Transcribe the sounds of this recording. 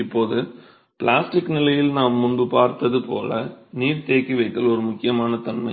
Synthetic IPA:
ɪpːoːðɯ | pɭaːsʈɪkːnɪlɐjɪlnaːmːʊɳbɯpaːɾt̪ːɐðɯpoːlɐniːɾt̪eːkːiʋɐɪkːɐlɔɾɯmʊkːɪjɐmaːnɐt̪ɐnmɐɪ

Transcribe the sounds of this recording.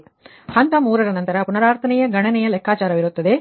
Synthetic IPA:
hɐnt̪ɐmuːɾɐɾɐnɐnt̪ɐɾɐpʊnɐɾaːɾt̪ʰɐnɐjɐɡɐnɐnɐjɐlɛkːaːt͡ʃaːɾɐʋɪɾɯt̪ːɐðeː

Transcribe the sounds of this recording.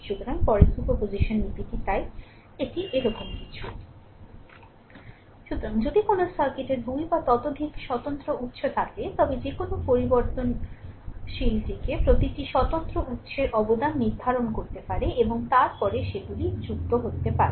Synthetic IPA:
ʃut̪oɾaŋpɔɾesupopoziʃonːipitit̪ae | eʈiʔeɾɔkomki̥t͡ɕʰu̥ | ʃut̪oɾaŋd͡ʑod̪ikonosaɾkeʈeɾbʱujbat̪ɔt̪od̪ʱikʃɔt̪ont̪ɾout̪ːʃot̪ʰat̪et̪ɔbed͡ʑekonopoɾiboɾt̪on | ʃilt̪ikepɾot̪iʈiʃɔt̪ont̪ɾoʔut̪ːʃeɾʔɔbod̪anːiɾd̪ʱaɾonkoɾt̪epaɾeʔeboŋt̪aɾpɔɾeʃebulid͡ʑuk̚t̪oɦot̪ːepaɾe

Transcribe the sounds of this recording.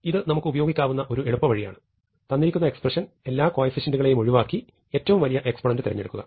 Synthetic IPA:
iðɨnɐmukːɨubɐjo̞ːɡikʲːaːʋunːɐʔo̞ɾue̞ɻupːɐʋɐɻija̰ːɳɨ | t̪ɐnːiɾikʲːunːɐe̞ksprɐʂɐn | e̞lːaːko̞ːjɐfiɕɐnduɣɐɭe̞jumo̞ɻiʋaːkːi | e̞ːtːɐʋumʋɐlijɐʔe̞kspɐɳɐndɨt̪iɾɐɲːeɽukːuɣɐ̰

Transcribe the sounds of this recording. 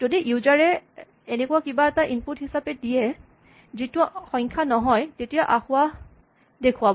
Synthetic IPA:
z̥odiʔuzaɹɛ | enekʊwakibaɛtaʔinputhisapɛdijɛ | zitʊxɔ̃ŋkʰanɔɦɔjtetijaʔaxʊwa | dekʰʊwabɔ

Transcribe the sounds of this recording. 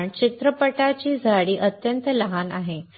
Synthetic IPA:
ɳt͡ɕit̪ɾəpəʈat͡ɕiːd͡zʱaɽiːʔət̪jənt̪ələɦanaɦe

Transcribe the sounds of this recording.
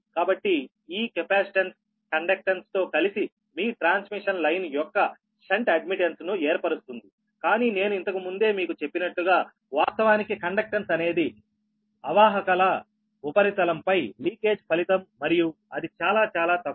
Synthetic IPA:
kaːbɐʈːi | iːkepaːsi̥ʈɐns | kɐɳɖɐk̚ʈɐnst̪o̞ːkɐlisi | miːʈɾaːnsmiʂɐnlɐjnjɔkːɐ | seɳʈɐɖ̚miʈensnuɛːɾpɐɾust̪und̪i | kaːniːne̞ːnuint̪ɐkimund̪e̞ːmiːkut͡ʃe̞pːinɐʈluɡaː | ʋaːst̪ɐʋaːnikikɐɳɖɐk̚ʈɐnsɐne̞ːd̪i | ɐʋaːɦɐkɐlɐ | upɐɾit̪ɐlɐmpɐjliːke̞ːd͡ʒpʰɐlit̪ɐmːɐɾiju | ɐd̪it͡ʃaːlaːt͡ʃaːlaːt̪ɐ

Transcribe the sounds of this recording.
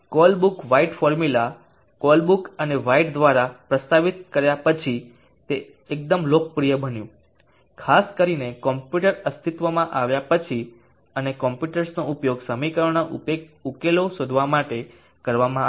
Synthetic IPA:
kɔlbukʋaiʈfɔɾmula | kɔlbukəneʋaiʈd̪ʋaɾapɾəst̪aʋit̪̚kəɾjapət͡ʃʰi | t̪e | ek̚d̪əmlok̚pɾijəbənjũ | kʰaskəɾinekɔmpjuʈəɾəst̪ʰit̪ʋəmãʔaʋjapət͡ʃʰi | ənekɔmpjuʈəɾsnoupjoɡsəmikəɾɳaʔupeukelosod̪ʱʋamaʈe | kəɾʋamã

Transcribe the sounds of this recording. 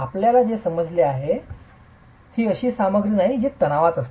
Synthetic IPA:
apljalad͡zesəməd͡zleaɦe | hiːəɕiːsaməɡɾənaɦid͡ʑet̪əñaʋat̪əst̪

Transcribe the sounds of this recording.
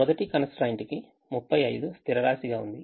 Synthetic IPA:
ɔd̪ɐʈikɐnɐsʈɾɐjɳʈiki | mupʰːɐjɐjd̪ust̪ʰiɾɐɾaːsiɡaːund̪i

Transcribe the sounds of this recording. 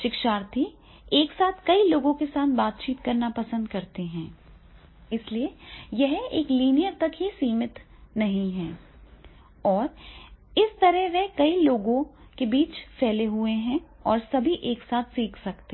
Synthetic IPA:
ʃɪkʃaːɾt̪ʰi | eːksaːt̪ʰkɐiloːɡõkesaːt̪ʰbaːt̪̚t͡ʃiːt̪kɐɾnapɐsə̃nd̪kɐɾt̪eɦɛ̃ː | ɪsliejɛɦeːkliːnijəɾt̪ɐkɦisiːmɪt̪ | nɐɦĩɦɛ̃ː | ɔːɾɪst̪ɐɾɛɦʋɛɦkɐiloːɡõ | kebiːt͡ʃfɛːleɦueɦɛ̃ɔːɾsɐbʱiʔeːksaːt̪ʰsiːkʰsɐkt̪e

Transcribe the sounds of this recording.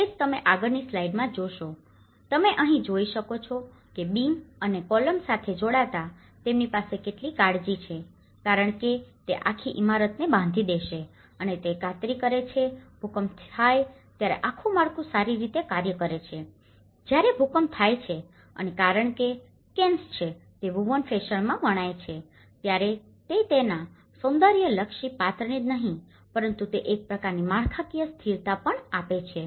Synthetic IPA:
ed͡ʒt̪əmeʔaɡəɾnislaiɖmãd͡ʒoʃo | t̪əmeʔəɦĩd͡ʒoiʃəkot͡ʃʰɔ | kebimənekɔləmsat̪ʰed͡ʒoɽat̪a | t̪emnipasekeʈlikaɽd͡ʒit͡ʃʰe | kaɾəɳ̃ket̪eʔakʰiʔimaɾət̪nebãnd̪ʱid̪eʃe | ənet̪ekat̪ɾikəɾet͡ʃʰebʱukəmt̪ʰaj | t̪jaɾḛʔakʰũmaɭkʰũsaɾiɾit̪ekaɾjəkəɾet͡ʃʰe | d͡ʒjaɾebʱukəmt̪ʰajt͡ʃʰe | ə̰nekaɾəɳ̃ke | kenst͡ʃʰet̪eʋuʋənfeʃəɭmãʋəɽ̃ajt͡ʃʰe | t̪jaɾe | t̪et̪enã | sõnd̪əɾjələkʃipat̪ɾəɳit̪nəɦĩ | pəɾənt̪ut̪eʔek̚pɾəkaɾnimaɭkʰakijəst̪ʰiɾt̪apəɳapet͡ʃʰe

